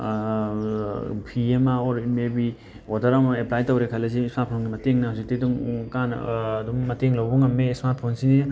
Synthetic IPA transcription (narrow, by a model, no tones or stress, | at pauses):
pʰiemaoɾmebi | otɐɾamaeplajtowɾekʰalɐzismaɾt̚pʰonɡimɐteŋnɐhawzik̚teduŋkan̰ːdumːɐteŋlawbuŋɐmːesmaɾt̚pʰonsini